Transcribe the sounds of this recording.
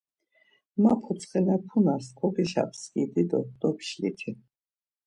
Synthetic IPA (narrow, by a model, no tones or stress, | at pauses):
mapʰɔt̪sʰχɛnapʰunaɾskʰɔɡiʃa̰pʰsɡid̪id̪ɔd̪̥ɔpʰʃlḭt̪ʰi